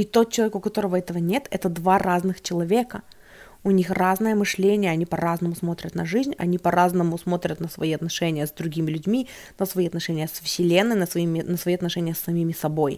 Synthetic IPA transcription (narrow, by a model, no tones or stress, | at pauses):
it̪o̞t̪̚t͡ɕɪlˠɐvʲekʊkɐt̪o̞ɾəvəɛt̪əvənʲe̞t̪ɛ̰t̪əd̪varaznɨxt͡ɕɪlˠɐvʲekə | ʊnʲixraznɨjəmɨʂlʲenʲɪjəɐnʲipɐraznəmʊsmo̞t̪ɾʲət̪nɐʐɨzʲnʲɐ̰nʲipɐɾaznəmʊsmo̞t̪ɾʲət̪nəsvɐiɐt̪nɐʂɛnʲɪjəzd̪ɾʊɡʲimʲɪlʲʉdʲmʲi | nəsvɐiɐt̪nɐʂɛnʲɪjəsəfsʲɪlʲenːɨjnəsvɐimʲɪnəsvɐiɐt̪nɐʂɛnʲɪjəsːɐmʲimʲɪsɐbo̞j